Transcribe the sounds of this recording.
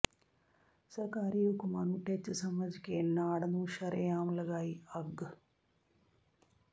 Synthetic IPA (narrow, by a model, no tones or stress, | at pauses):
sɐrkaːɾijoːkːumaːnuʈːet͡ɕːɨsɐmɐd͡ʑikʲːennaːɽɐnuːʃɐɾɐjaːmɐlɐɣaːjiɐɡɨ